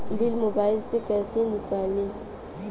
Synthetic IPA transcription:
m̩bilmobailsekɛsinikali

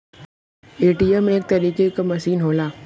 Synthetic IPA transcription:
eːʈijəmeːk̚t̪ɐɾiːkekamɐʃiːnɦoːlaː

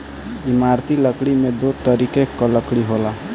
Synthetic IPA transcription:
imaɾt̪iləkɽimed̪ot̪ɔɾikekːɔləkɽiɦola

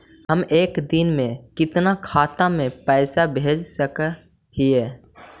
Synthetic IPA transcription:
ɦəmeːkd̪ɪnmẽkɪt̪nakʰaːt̪amẽpɛːsabʱeːd͡ʒsək | ɦiɛː

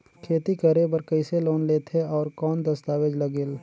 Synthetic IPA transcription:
kʰeːt̪ikɐɾebɐɾkəɪseloːnleːt̪ʰeɔːɾkɔːnd̪ɐst̪aːʋed͡ʒlɐɡɪl

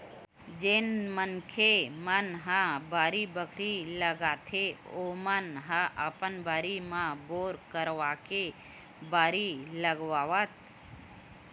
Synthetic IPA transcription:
d͡ʒenmənkʰemənɦãbaːɾibəkʰɾiləɡaːt̪ʰeoːmənɦãʔəpənbaːɾimãboːɾkəɾʋake | baːɾiləɡʋaʋət̪̚

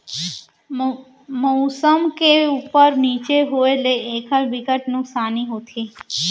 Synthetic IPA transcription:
moːsəmkeuːpəɾniːt͡ʃeɦoːeleeːkʰəbɪkəʈnʊ̃ksaːniɦoːt̪ʰeː

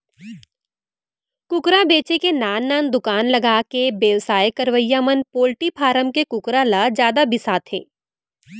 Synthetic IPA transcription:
kʊkɾabeːt͡ʃekenaːnːaːnd̪ʊkaːnlɐɡaːkebeːʋsaːjkɐɾʋəjːamənpoːlʈipʰaːɾəmkekʊkɾalad͡ʒjaːd̪abɪsaːt̪ɦɛ̰̃ː

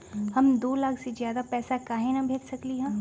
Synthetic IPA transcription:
hɐmd̪oːlaːkʰsezjaːd̪apɛːsakaːɦẽnabʱeːɡsɐkliɦɛ̃ː

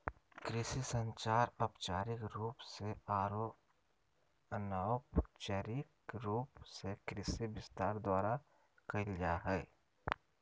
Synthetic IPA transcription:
kɾɪsisə̃ɲt͡ʃaːɾɐpt͡ʃaːɾɪkɾuːpseaːɾoː | ənaːpt͡ʃəɾɪkɾuːpsekɾɪsibɪst̪aːɾd̪waːɾa | kɐɪld͡ʒaːɦɛː

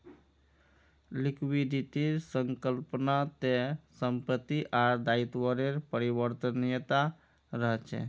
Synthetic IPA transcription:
likʰwid̪ʱit̪iɾsəŋkəlpnat̪esəmpət̪ːiʔaɾd̪ait̪wəɾeɾpəɾibəɾt̪ənjət̪a | ɾəɦɛt͡ʃʰɛ̰

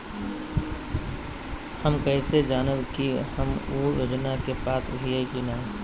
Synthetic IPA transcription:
həmkəɪsed͡ʒaːnəbkihəmujo̰ːd͡ʒnakepaːt̪ɾəɦiekinaː

